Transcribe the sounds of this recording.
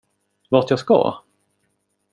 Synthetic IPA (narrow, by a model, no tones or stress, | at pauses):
vaʈ̪jaskɑ̰